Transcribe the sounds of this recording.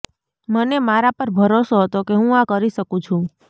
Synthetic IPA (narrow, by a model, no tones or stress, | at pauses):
mənemaɾapəɾbʱəɾosoɦət̪okeɦũakəɾiʃəkũt͡ʃʰũ